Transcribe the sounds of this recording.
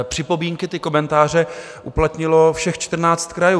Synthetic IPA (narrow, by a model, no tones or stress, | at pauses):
pr̥ɪpo̞biːŋkɪt̪ɪko̞mɛnt̪aːr̝ɛ | ʔuplat̪ɲɪlo̞fʃɛxt͡ʃt̪r̩naːt͡st̪kɾajuː